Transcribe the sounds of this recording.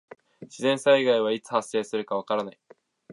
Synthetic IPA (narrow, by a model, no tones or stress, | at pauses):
ɕizẽ̞ɰ̃saiɡaiβ̞ait͡sɨ̥hasːe̞ːsɨɾɯ̟kaβ̞akaɾanai